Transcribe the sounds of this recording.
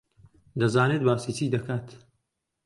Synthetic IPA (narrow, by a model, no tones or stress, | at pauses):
d̪ɐzaːneːt̪̚baːsit͡ʃiːd̪ɐkaːt̪